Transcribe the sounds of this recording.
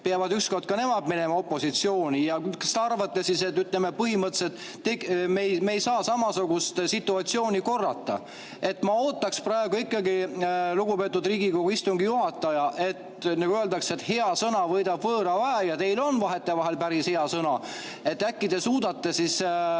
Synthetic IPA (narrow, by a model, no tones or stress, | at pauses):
peɑvɑd̪yksko̞rd̪̥̚kɑne̞mɑd̪̥mine̞mɑo̞pːˑo̞sit̪sio̞ːnʲijɑusi̥t̪ɑrvɑt̪ːesiset̪ːyt̪ˑleme̞pɤɦimɤt̪ːˑset̪ | t̪ːemejmeejsɑːsɑmɑsuɡ̥ust̪sit̪ːˑuɑt̪sio̞ːnʲiko̞rːɑ̰t̪ːˑɑ̰ | e̞t̪ːmɑo̞ːt̪ːˑɑksprɑe̞ɡ̥uikːˑɑɡiluɡ̥upeːt̪ːˑud̪riːɡ̥iko̞ɡ̥uist̪uŋɡijuɦɑt̪ːˑɑjɑʔe̞t̪nɑɡ̥uøld̪ɑkse̞t̪he̞ɑsɤnɑvɤjd̪ɑbvɤːɾɑvæɦejɑt̪e̞jlo̞nvɑɦe̞t̪ːe̞vɑɦe̞lpæɾishe̞ɑsɤnɑ | e̞t̪ːækːid̪̥e̞suːd̪̥ɑt̪ːesis